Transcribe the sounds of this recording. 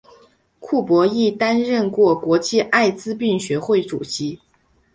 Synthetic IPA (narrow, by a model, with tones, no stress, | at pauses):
kʰu˥˩pwɔ˧˥i˥˩t̪a˥nɻə˥˧nkwɔ˥˩kwɔ˧˥t͡ɕʰi˥˧ʔa˥˩ɪt͡sɹ̩˥pi˥˩ŋɕɥɛ˧˥xwe˥˩ɪʈ͡ʂṵ˨˩ɕi˧˥